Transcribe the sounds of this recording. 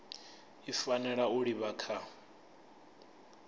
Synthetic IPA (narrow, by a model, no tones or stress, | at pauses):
ifanɛɺauɺiβakʰa